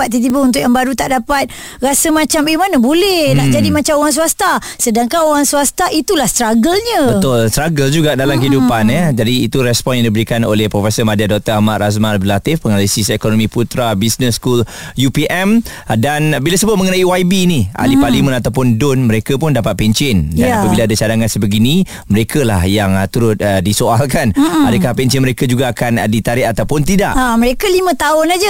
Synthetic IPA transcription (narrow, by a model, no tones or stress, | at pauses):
at̪̚t̪ːit̪̬ibəunt̪ʊʔjaŋbaɾut̪aʔdapat̪̚ | rasəmat͡ʃambimanabolɛhlaʔd͡ʒadimat͡ʃamoɣaŋs̬uast̪a | sədaŋkanoɾaŋsuwast̪aʔit̪ulahst̪ɾaɡəlɲə̃bət̪ʊlst̪ɾaɡəld͡ʒuɡadalamkəidupanəd͡ʒadiːt̪uɾɛspɔnjaŋdibəɾikano̰lɛhpɾɔfɛsəmadiadɔk̚t̪əamatas̬mãlbəlat̪ɪfpːəŋalisisekonɔmĩput̪ɾabisnəskul | jupiʔɛm | danbilasəbʊt̪̚məŋənaiwaibiniʔa̰lipalimə̃nat̪awpʊndʊnməɾekəpʊndapat̪̚pɛɲt͡ʃɪndaapəbilaadat͡ʃadaŋansəbəɡinĩ | məɾekʰəlahjaŋt̪uɾʊt̪̚ədisoalkana̰dəkahpɛɲt͡ʃɪnməɾekəd͡ʒuɡaːkandit̪aɾɪʔat̪awpʊnt̪idaʔaməɾekəlimə̃t̪aʊnad͡ʒə